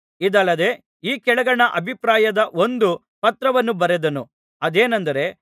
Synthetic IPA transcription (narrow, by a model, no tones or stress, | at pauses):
id̪ɐlːɐd̪e̞ | iːkɛɭɐɡɐɳɐʔɐbʱipɾaːjɐd̪ɐʔo̞nd̪u | pɐt̪ɾɐʋɐnːubɐɾed̪ɐnu | ɐd̪eːnɐnd̪ɐɾe̞